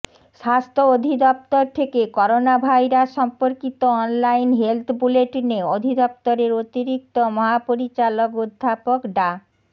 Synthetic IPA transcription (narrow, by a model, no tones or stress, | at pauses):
ʃast̪ʰood̪ʱid̪ɔp̚t̪oɾt̪ʰekekɔɾonabʱajɾaʃɔmpoɾkit̪oɔnlajnɦelt̪ʰbuleʈneod̪ʱid̪ɔp̚t̪oɾeɾot̪iɾik̚t̪omɔɦapoɾit͡ɕalokud̪ʱːapokɖa